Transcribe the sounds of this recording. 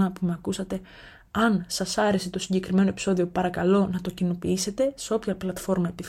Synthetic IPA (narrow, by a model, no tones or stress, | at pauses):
ɐpumeɐkusɐt̪e̞ | ɐnsɐsɐɾe̞set̪o̞siɲɟe̞kɾime̞no̞e̞pi̥so̞ðio̞pɐɾɐkɐlo̞nɐt̪o̞cino̞piise̞t̪e̞seo̞pçɐplɐt̪fo̞ɾmɐepiθ